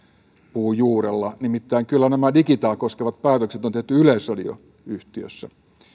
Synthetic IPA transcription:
puːjuːɾelːɑnimit̪ːæiŋkylːænæmædikit̪ɑːkoskeʋɑt̪̚pæːt̪økset̪ont̪eht̪yylesrɑdio̰ | yht̪iø̰sːæ̰

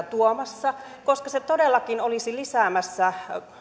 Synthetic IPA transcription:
t̪uomɑsːɑkoskɑset̪odelːɑkinolisilisæːmæsːæ

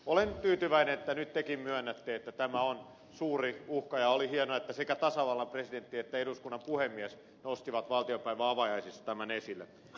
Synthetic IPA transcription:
olent̪yːt̪yʋæinenet̪ːænyt̪t̪ekimmyønːæt̪ːeet̪ːæt̪æmæon | suːriuhkɑjɑolihienoet̪ːæsekæt̪ɑsɑʋɑlːɑmpresident̪ːiet̪ːæeduskunːɑmpuhemːiæs | nost̪iʋɑt̪ʋɑlt̪iopæiʋæɑʋɑjɑisist̪ːɑ̥t̪æmænesilːḛ

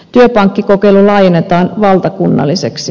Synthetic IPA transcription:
t̪yøpɑŋkːikokeilulɑːjenːet̪ɑːnʋɑlt̪ɑkunːɑ̰lːiseksi

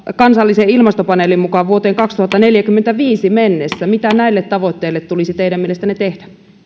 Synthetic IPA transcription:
kɑnsɑlːiseilmɑst̪opɑnelimmukɑʋʋuot̪eːŋkɑkst̪uhɑt̪ːɑneljækymːent̪æʋiːsimenːesːæmit̪ænæilːet̪t̪ɑʋot̪ːeilːet̪t̪ulisit̪eiɾæmielest̪ænet̪ehdæ

